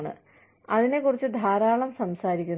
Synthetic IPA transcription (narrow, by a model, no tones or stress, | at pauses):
ɳɨ̰ | ɐðine̞kːurit͡ɕːɨd̪ʱaːɾaːɭɐmsɐmsaːɾikʲːun